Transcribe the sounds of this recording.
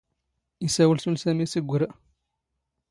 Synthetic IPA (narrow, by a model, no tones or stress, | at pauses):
isæwəlsulsæmisiɡʷːəɾ